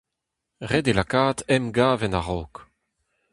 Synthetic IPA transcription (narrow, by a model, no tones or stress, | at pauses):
ʁɛdelakaːt̪ɛmɡaːvɛnaʁɔːk